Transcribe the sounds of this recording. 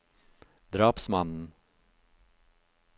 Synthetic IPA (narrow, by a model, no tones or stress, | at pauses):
d̪ɾɑːpsmanːən